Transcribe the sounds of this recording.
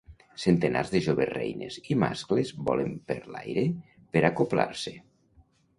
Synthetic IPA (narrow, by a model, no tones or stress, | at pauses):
sent̪ena̰rzðeʒoβerejnḛzimasklezbɔlempeɾlajɾe | peɾakopla̰ɾse